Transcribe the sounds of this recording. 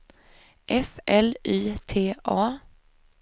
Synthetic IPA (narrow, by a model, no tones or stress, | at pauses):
ʔɛfʔɛliːt̪ʰeːʔɑː